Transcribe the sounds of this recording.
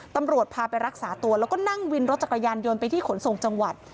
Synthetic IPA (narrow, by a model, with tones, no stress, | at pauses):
t̪a˧mɾu˨˩ət̪̚pʰaː˧pa˧jɾa˦˥k̚saː˩˦t̪u˧ɐlɛː˦˥wkɔː˥˩na˥˩ŋwi˧nɾo˦˥t̪̚t͡ɕa˨˩ka˧jaː˧njo˧npa˧jt̪ʰiː˥˩kʰo˩˦nso˨˩ŋt͡ɕa˧ŋwa˨˩t̪̚